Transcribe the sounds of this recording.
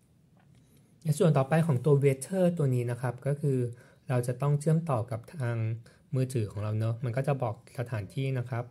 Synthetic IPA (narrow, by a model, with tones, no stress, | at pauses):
nɛ˧˩su˨˩ənt̪ɔː˨˩pa˧jkʰɔː˩˦ŋt̪u˧ɐweː˦˥t͡ɕʰɤː˥˩t̪u˧ɐniː˦˥na˦˥kʰa˦˥p̚kɔː˥˩kʰɯː˧ | ɾa˧wt͡ɕa˨˩t̪ɔ˥˩ŋt͡ɕʰɯ˥˩əmt̪ɔː˨˩ka˨˩p̚t̪ʰaː˧ŋ | mɯː˧t̪ʰɯː˩˦kʰɔː˩˦ŋɾa˧wnɤ˦˥ma˧nkɔː˥˩t͡ɕa˨˩bɔː˨˩k̚sa˧t̪ʰaː˩˦nt̪ʰiː˥˩na˦˥kʰa˦˥p̚